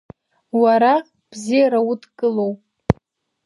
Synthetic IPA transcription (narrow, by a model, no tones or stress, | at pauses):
waɾa | b̥zijaɾautʰkʼɨlo̞wpʼ